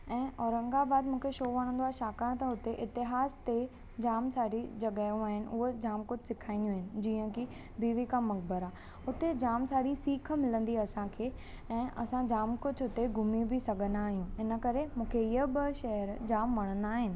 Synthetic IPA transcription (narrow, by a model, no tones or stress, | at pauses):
ɛ̃ːɔːɾə̃ŋɡabaːd̪mũːkʰeʃoːʋɐɽ̃ə̃nd̪oaːɦeʃaːkaɽ̃t̪ɐʊt̪eʔɪt̪ɪɦaːst̪e | d͡ʑaːmsʰaːɽid͡ʑɐɠaːjũaːɦɪnɪ̆ʊɦod͡ʑaːmkʊd͡ʑʱsɪkʰaːɪ̃nd̪juaːɦɪnɪ̆d͡ʑiːə̃ki | biːʋikãmɐk̚bəɾaː | ʊt̪ed͡ʑaːmtʰaːɽisiːkʰə̆mɪlə̃nd̪iɐsãkʰeː | ɛ̃ːʔɐsãd͡ʑaːmkʊd͡ʑʱʊt̪eɡʱʊmibʱɪsɐɡʱə̃nd̪aːɦijũɪnə̆kɐɾemũːkʰeɪɦəbəʃɛɦəɾd͡ʑaːmʋɐɽ̃ə̃nd̪aːɦɪnɪ̆